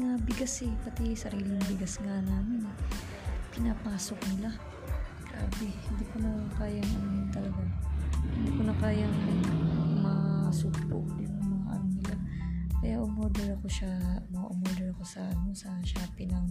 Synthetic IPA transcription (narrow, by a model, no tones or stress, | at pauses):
ŋabɪɡasɛpɐt̪isɐɾiːlɪŋbɪɡasŋanaːmɪnɛ | pɪnapaːso̞k̚nɪla | ɡ̥ɾa̰ːbɛhɪnd̪iːkonɐkaːjɐŋɐnjnt̪ɐlɐɡahɪnd̪iːkonɐkaːjɐŋ | mɐsuːkpo̰ʔd̪ɪnɐŋmɐŋɐʔɐ̰nonɪlakɐjaʔomoːd̪ɛɹɐko̞ʃamɐʔomoːd̪ɛɹɐko̞sɐʔɐno̞sɐʃapɪnɐŋ